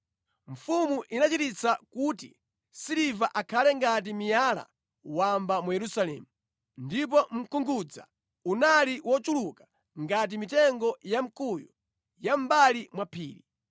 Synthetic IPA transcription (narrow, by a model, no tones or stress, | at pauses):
ɱ̩fumuʔinat͡ʃitit͡sakutḭ | siɾivaʔakʰalɛŋɡat̬imijala̰ | wambamujɛɾusalɛ̰ːmu | ndip̬ɔm̩kuŋɡud͡za̰ | unaliwɔt͡ʃulukḁ | ŋɡat̬imitɛŋɡɔjam̩kujɔ | jambalimwapʰḭːɾi